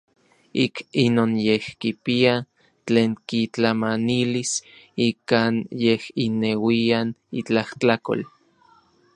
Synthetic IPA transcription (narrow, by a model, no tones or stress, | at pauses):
ikinoːnjehkipia | t͡ɬeːŋkit͡ɬamanilisikaːnjehinewianit͡ɬaht͡ɬako̰l